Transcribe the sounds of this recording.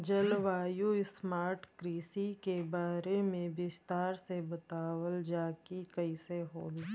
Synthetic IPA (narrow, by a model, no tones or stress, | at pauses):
d͡ʒɐlʋaːjuɪsmaːɾʈkɾiːsikebaːɾemẽbɪst̪aːɾsebət̪aːwəld͡ʒaːkikɐiseɦoːl